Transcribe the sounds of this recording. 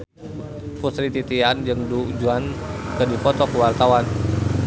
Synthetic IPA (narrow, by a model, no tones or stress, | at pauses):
pusɾit̪it̪iand͡ʒəŋdud͡ʒuankədipɔt̪ɔkəwart̪awan